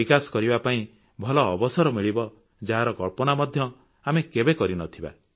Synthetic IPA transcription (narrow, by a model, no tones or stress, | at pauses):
ikasɔ̥kɔɾibapaĩ | bʱɔlɔːbɔsɔɾɔmiɭibɔ | d͡ʒaɦaɾɔkɔɭpɔnamɔd̪ʱjɔ | amekebekɔɾinɔt̪ʰiba̰